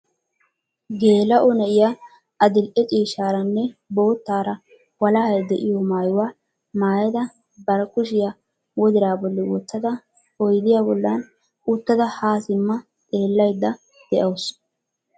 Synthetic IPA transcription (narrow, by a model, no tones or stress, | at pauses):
ɡe̞ːlɐʔɔnɛʔɪja | ɐd̪ɪlʔɛt͡ʃʼiːʃaːɾɐnːɛbo̞ːt̪ːaːɾɐ | wɐlɐhɐjd̪ɛʔɪjɔmaːjʊwaː | maːjɐd̪ɐ | bɐɾkʊʃ̬ɪja | wɔd̪ɪɾaːbɔlːɛwɔ̰t̪ːɐd̪ɐ | ɔjd̪ɪjaːbɔlːɐn | ʊt̪ːɐd̪ɐhaːsɪmːɐ | t̪ʼe̞ːlːɐjd̪ːɐ | d̪̥ɛʔɐws